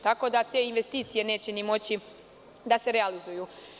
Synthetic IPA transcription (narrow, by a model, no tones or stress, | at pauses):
t̪ako̞d̪at̪e̞inʋe̞st̪iːt̪sije̞ne̞ːt͡ɕenimo̞t͡ɕi | d̪ase̞ɾealizujuː